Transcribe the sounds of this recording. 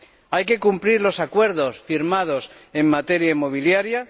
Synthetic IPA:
ajke̞kumpliɾlo̞sakwe̞ɾðo̞sfiɾmað̞o̞se̞mːat̪e̞ɾjaimːo̞β̞iljaɾja

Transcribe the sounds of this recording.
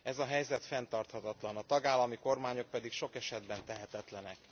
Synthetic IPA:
ɛzɒɦɛjzɛt̪fɛnt̪ɒrt̪hɒt̪ɒt̪lɒnɒt̪ɒɡaːlːɒmiko̞rmaːɲo̞k̚pɛd̪ikʃo̞kɛʃɛd̪bɛnt̪ɛɦɛt̪ɛt̪lɛnɛk

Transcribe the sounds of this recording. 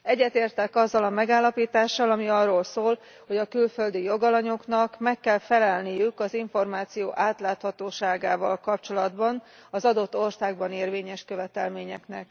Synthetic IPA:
ɛɟːɛt̪eːrt̪ɛkɒzːɒlɒmɛɡaːlːɒpiːt̪aːʃːɒlɒmiɒrːoːlsoːl | ho̞ɟɒkylfø̞ld̪ijo̞ɡɒlɒɲo̞knɒkmɛkːɛlfɛlɛlnijykɒziɱfo̞rmaːt̪sijoːʔaːt̪laːt̪hɒt̪oːʃaːɡaːvɒ̰lkɒp̚t͡ʃo̞lɒd̪bɒn | ɒzɒd̪o̞t̪ːo̞rsaːɡ̚bɒneːrveːɲɛʃkøvɛt̪ɛlmeːɲɛknɛk

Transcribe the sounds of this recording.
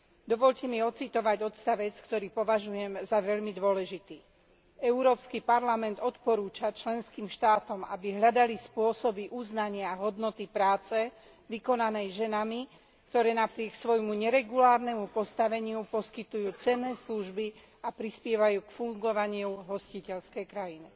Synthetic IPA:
d̪ɔʋɔʎcɛmiɔt͡sit̪ɔʋaɟɔt̪st̪aʋɛt͡skt̪ɔɾiːpɔʋaʒujɛmzaʋɛʎmid̪ʊɔlɛʒit̪iː | ɛuɾɔːpskipaɾlamɛnd̪ɔt̪pɔɾuːt͡ʃat͡ʃlɛnskiːmʃt̪aːt̪ɔma̰biɦʎad̪alispʊɔsɔbiʔuznaɲɪaɦɔd̪nɔt̪ipɾaːt͡sɛ | ʋikɔnanɛjʒɛnami | kt̪ɔɾɛːnapɾɪɛksʋɔjmuɲɛɾɛɡulaːɾnɛmupɔst̪aʋɛɲɪupɔskit̪ujuːt͡sɛnːɛːsluʒbi | apɾispɪɛʋajuːkfuŋɡɔʋaɲɪuɦɔscicɛʎskɛjkɾajini

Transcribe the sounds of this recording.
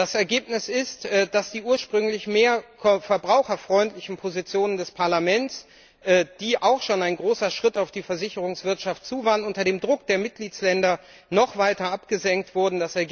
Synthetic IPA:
d̥asɛɐɡeːpnɪsɪstɛːd̥asd̥iːʔuːɐʃpʁ̥ʏŋlɪçmeːɐkfɛɐbʁaʊxɐfʁ̥ɔʏntlɪçn̩pʰozit͡sjoːnəndɛspʰaɐlamɛnts | ʔɛːd̥iːʔaʊxʃoːnaɪnɡʁoːsɐʃʁ̥ɪtaʊfd̥iːfɛɐzɪçəʁ̞ʊŋsv̥ɪɐtʃaftt͡suːvaːʁənʊntɐdeːmdʁʊkd̥eːɐmɪt̚ɡ̥liːt͡slɛndɐ | nɔχv̥aɪtɐʔapɡ̥əzɛŋk̚tv̥ʊɐdn̩dasɛɐɡ

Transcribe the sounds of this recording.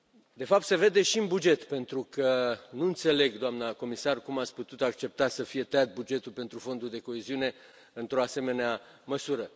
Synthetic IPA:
d̪e̞fap̚t̪se̞ve̞d̪e̞ʃiɨnbud͡ʒe̞t̪pe̞nt̪ɾukʰənuɨnt̪se̞le̞ɡd̪oamnəko̞misarkumat̪sʲput̪ut̪akt͡ʃe̞p̚t̪asəfije̞t̪ejat̪̚bud͡ʒe̞t̪ulpe̞nt̪ɾufo̞nd̪uld̪e̞ko̞eziune̞ | ɨnt̪ɾo̞ase̞me̞nea | məsuɾə

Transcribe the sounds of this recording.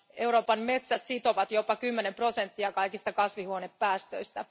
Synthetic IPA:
euwɾo̞ːpɑnme̞t̪sæssit̪o̞ʋɑt̪jo̞pɑkymːenempro̞sent̪ːiɑkɑjkist̪ɑkɑsʋihuonepːæːst̪ø̰jst̪æ

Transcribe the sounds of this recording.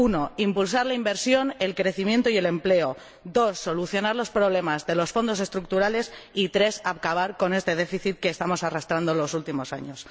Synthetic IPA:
uno̞impulsaɾlaimbe̞ɾsjo̞ne̞lkɾe̞θimjẽ̞nt̪oie̞le̞mple̞o | d̪o̞sːo̞luθjo̞naɾlo̞spɾoβ̞le̞mazðe̞lo̞sfo̞nd̪o̞se̞st̪ɾuk̚t̪uɾale̞sit̪ɾe̞sapkaβ̞aɾko̞ne̞st̪e̞ð̞e̞fiθit̪̚ke̞ːst̪amo̞sarast̪ɾand̪olo̞sult̪imo̞sa̰ɲo̞s

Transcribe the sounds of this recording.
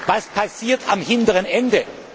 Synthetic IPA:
vaspʰasiːɐtʰamhɪntəʁənɛndə

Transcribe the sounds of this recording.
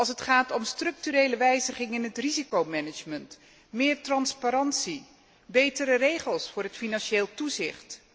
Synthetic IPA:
ɑlˠs̬ətχaːtɔmstrɵk̚tyɾejləʋɛjzəχɪŋɪnɦətrizikowmɛnɪd͡ʒmənt | mɪːɹtrɑnspaɾɑnsi | bejtəɾərejχəlˠsfʊːɹɦətfinɑnʃeːlˠtuzɪχt

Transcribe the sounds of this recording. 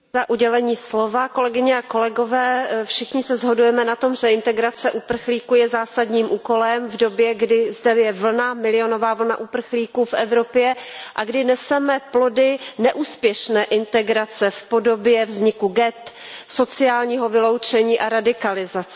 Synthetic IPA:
zaʔuɟɛlɛɲiːslo̞vako̞lɛɡɪɲɛako̞lɛɡo̞vɛːfʃɪxɲɪsɛzɦo̞dujɛmɛnat̪o̞mʒɛɪnt̪ɛɡɾat͡sɛʔupr̩xliːkuːjɛzaːsadɲiːmʔuːko̞lɛmvdo̞bjɛɡdɪzdɛjɛvl̩namɪlɪjo̞no̞vaːvl̩naʔupr̩xliːkuːfʔɛvɾo̞pjɛʔaɡdɪnɛsɛmɛplo̞dɪnɛʔuːspjɛʃnɛːʔɪnt̪ɛɡɾat͡sɛfpo̞do̞bjɛvzɲɪkuɡɛt̪so̞t͡sɪaːlɲiːɦo̞vɪlowt͡ʃɛɲiːʔaɾadɪkalɪzat͡s

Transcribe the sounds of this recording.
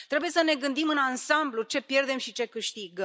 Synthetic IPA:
t̪ɾe̞buje̞səne̞ɡɨnd̪imɨnansamblut͡ʃe̞pje̞rd̪e̞mʃit͡ʃe̞kɨʃt̪iɡə

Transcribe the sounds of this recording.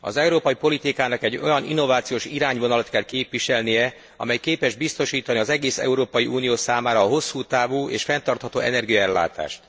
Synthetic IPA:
ɒ̰zɛuɾoːpɒjipo̞lit̪ikaːnɒkɛɟːo̞̰jɒnḭnːo̞vaːt̪sijoːʃiɾaːɲvo̞nɒlɒt̪kɛlkeːpʋiʃɛlnijɛ | ɒ̰mɛjkeːpɛʒbist̪oʃiːt̪ɒniɒzɛɡeːsɛ̰uɾoːpɒjiʔuːnijoːsaːmaːɾɒːɦo̞sːuːt̪aːvuːʔḛːʃfɛnt̪ɒrt̪hɒt̪o̰ːʔɛnɛrɡijɒɛlːa̰ːt̪a̰ːʃt̪

